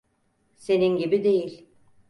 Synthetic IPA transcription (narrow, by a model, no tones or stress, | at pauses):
se̞ninɟibid̪e̞jilʲ